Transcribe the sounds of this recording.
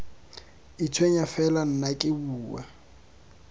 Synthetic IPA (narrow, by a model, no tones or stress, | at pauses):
ɪt͡sʰwɛɲafɛlan̩nakʼɪbuːwa